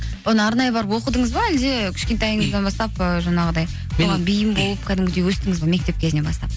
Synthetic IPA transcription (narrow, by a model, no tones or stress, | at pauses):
wonəɑɾnɑjəbɑɾəpwo̞qəd̪əɴəzbɑæld̪e̞kʲʰʏ̥ʃkʲet̪eɑjəɴəzd̪ɑnbɑst̪ɑpəʒɑɴɑʁəd̪ɑj | moʁɑnbijɪmbo̞lˠəp̚kʲʰæd̪ɪmɡʲɪd̪ewɵst̪ɪŋɪzbɑme̞k̚t̪e̞p̚kʲʰe̞zɪne̞bɑst̪ɑp̚